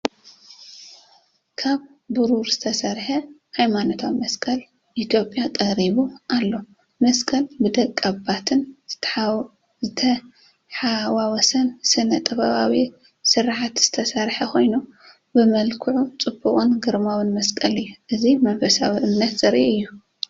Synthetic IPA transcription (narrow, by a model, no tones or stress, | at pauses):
kʰaβ | bɨɾuɾz̥ɨt̪ʰɐsɐɾħɐhajmanot̪ʰawmɐskʼɐl | ʔit̪ʰjo̞pʼjat̪ʼɐɾiβuʔalːo̞ | mɐskʼɐlbɨd̪ɐkʼːabat̪ʰɨn | zɨt̪ʰɐ | ħawawɔsɐnsɨnɐt̪ʼɨβɐβawi | sɨɾħat̪z̥ɨ̥t̪ʰɐsɐɾħɐkʰo̞jnu | bɨmɐlkʰɨʕut͡sʼɨbuχʼunɡɨɾmawɨnmɐskʼɐlɨjːuʔɨzimɐbɐsawiʔɨmnɐt̪zɨɾʔiʔɨjːu